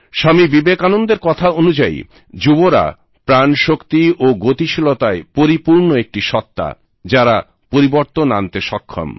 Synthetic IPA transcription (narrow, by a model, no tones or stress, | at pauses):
ʃamibibekanond̪eɾkɔt̪ʰaonud͡ʑaḭ | d͡ʑuboɾa̰ | pɾanʃokt̪iʔoɡot̪iʃilot̪aepoɾipuɾnoek̚ʈiʃɔt̪ːa̰ | d͡ʑaɾa | poɾiboɾt̪onant̪eʃɔkʰːo̰m